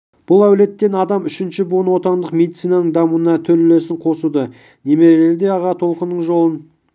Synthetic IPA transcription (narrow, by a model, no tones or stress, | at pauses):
b̥ʊlˠæwle̞t̪ːe̞nɑd̪ɑmʏʃɪnʃɪbuənwo̞t̪ɑnd̪əqme̞d̪it̪sijnɑnəɴd̪ɑmuənɑt̪ʰɵllesɪɴqʰo̞sud̪ə | ne̞me̞ʒeɾd̪e̞ɑʁɑt̪ʰo̞lˠqənːəɴʒo̞lˠən